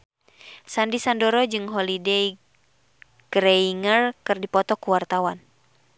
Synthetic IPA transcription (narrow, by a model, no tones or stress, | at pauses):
sandisandoɾɔd͡ʒɨŋɦɔlidɛj | ɡ̥ɾeiŋərkɨrdipɔt̪ɔkuwart̪awan